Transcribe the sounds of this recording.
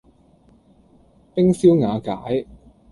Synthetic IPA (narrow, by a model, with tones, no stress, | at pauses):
pɪ˥ŋsiː˥wŋaː˨˧kaː˨˥j